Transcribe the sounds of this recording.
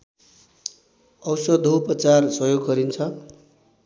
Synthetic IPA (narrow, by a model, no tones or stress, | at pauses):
ʌwsʌd̪ʱowpʌt͡sarsʌjoɡɦʌɾint͡sʰʌ